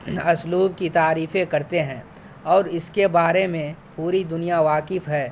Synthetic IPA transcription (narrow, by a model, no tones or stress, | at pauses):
ɐsluːb̚kit̪aːɾiːfẽkɐɾt̪eɦɛ̃ː | ɔːɾɪskebaːɾemẽpuːɾid̪ʊnijaʋaːkɪfɦɛː